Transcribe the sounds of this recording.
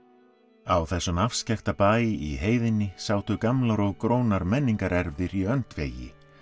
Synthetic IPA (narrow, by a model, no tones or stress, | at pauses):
awθɛsːʏmafscɛxt̪apaːjɪʔiɦeːjðɪnːɪsaːwt̪ʏkamlaɾɔɣkɾoːwnaɾmɛnːiŋkaɾɛɾvɪɾiœnt̪vḛːjɪ̰